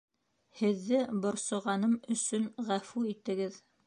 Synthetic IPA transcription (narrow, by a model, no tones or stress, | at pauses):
hɘ̆ðːɘbŏɾsŏʁɑnɤmɵ̆sɵnʁæfuit̪ɘ̆ɡɘð